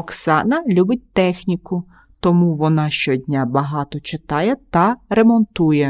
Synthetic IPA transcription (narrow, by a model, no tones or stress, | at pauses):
ɔksɑnɐlʲubɪt̚ʲt̪ɛxnʲikʊ | t̪ɔmuʋɔnɑʃt͡ʃɔdʲnʲabɐɦɑt̪ɔt͡ʃɪt̪ɑjɛt̪ɐremɔnt̪ujɛ